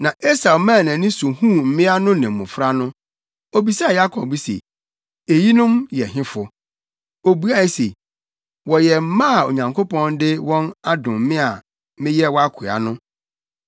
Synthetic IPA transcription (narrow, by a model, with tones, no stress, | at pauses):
nã˨ʔe˦sa˨mãː˦˨nã˨nɪ̃˦su˨hũ˦˨m̩˨mɪ̃˦a˦nʊ̃˦nɪ̃˨m̩˨mʊ̃˨fɾa˦nʊ̃˦ | o˦bi˨sa˦˨ja˦kʰɔ˨b̚bi˦sḛ˨ | e˨ji˦nʊ̃˦mjɛ˨ɦɪ̃˦fʊ˨ | o˨bu˦a˦e˦sḛ˨ | wɔ˨jɛ˨m̩˦mã˦˨o̰˨ɲã˨ŋkʰo˦pɔ̃˦ndɪ˦wɔ̃˦na˦dʊ̃˨m̩˦mɪ̃˦a˨ | mɪ̃˦jɛ˦wɔ˦a˦kʰa̰˨nʊ̃˦